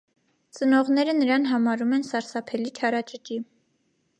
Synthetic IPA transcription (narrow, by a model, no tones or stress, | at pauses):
t͡sənɔʁnɛɾənəɾɑnɦɑmɑɾumɛnsɑɾsɑpʰɛlit͡ʃʰɑɾɑt͡ʃət͡ʃi